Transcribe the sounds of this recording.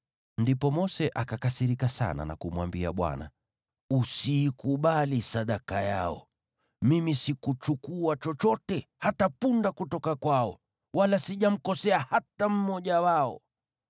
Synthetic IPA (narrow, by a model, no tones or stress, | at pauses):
ndipɔmɔsɛʔakakasiɾikasa̰na̰na̰kumwambia̰ɓwa̰na̰ | usiːkuɓalisaɗakajaɔ̰ | mimisikut͡ʃukuat͡ʃɔt͡ʃɔtɛhatapundakutɔkakwaɔ | walasiʄam̩kɔsɛahatam̩mɔʄawaɔ